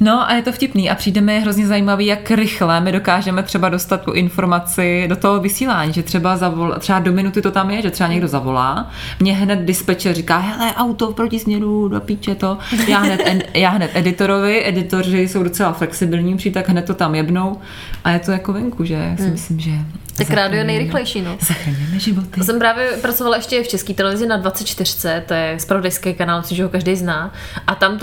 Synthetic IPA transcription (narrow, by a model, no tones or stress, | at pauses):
no̞ʔa̰jɛt̪ofcɪpniːʔa̰pr̥iːdɛmɪjɛɦɾozɲɛzajiːmaviːjakɾɪxlɛmɪdo̞kaːʒɛmɛt̪r̥ɛbado̞st̪at̪tṵʔɪnfo̞ɾmat͡sɪdo̞t̪oɦovɪsiːlaːɲiːʒɛt̪r̥ɛbazavola̰t̪r̥ɛbado̞mɪnut̪ɪt̪ot̪amjɛʒɛt̪r̝ɛbaɲɛɡdo̞zavo̞la̰ː | mɲɛɦnɛt̪̚dɪspɛt͡ʃɛrikaːɦɛlɛʔawt̪ofpɾocɪsmɲɛɾudopiːt͡ʃɛt̪ojaːɦnɛt̪ɛjaːɦnɛt̪ʔɛdɪt̪o̞ɾovɪʔɛdɪt̪o̞rɪso̞wdo̞t͡sɛlaflɛksɪbɪlɲiːpr̥iːt̪aɡɦnɛt̪̚tːo̞t̪amjɛbno̞w | ʔajɛt̪ojakovɛŋkuʒɛja̰ssɪmɪslɪmʒɛt̪akɾaːdɪjoɛnɛjɾɪlɛjʃiːnozaxɾaɲjɛmɛʒɪvot̪ɪsɛmpɾaːvjɛpɾat͡sovalaɛʃcɛft͡ʃɛskiːt̪ɛlɛvɪzɪnadvatt͡sɛt̪̚t͡ʃt̪ɪr̝̥ɪ̥t͡sɛtt̪ojɛspɾavodajskejkanaːlmɪslɪimʒɛɦokaʒdɛjznaː | ʔat̪amt̪